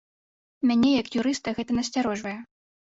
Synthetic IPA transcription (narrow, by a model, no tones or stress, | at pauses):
mʲanʲɛjɐkjuɾɨst̪ɐɣɛt̪ɐnɐsʲt͡sʲaɾɔʐvɐjɛ